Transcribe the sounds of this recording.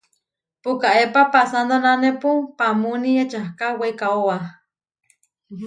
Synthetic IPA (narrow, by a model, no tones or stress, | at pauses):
pukaʔepapasand̪onanepupamuniet͡ʃahkawejkaoa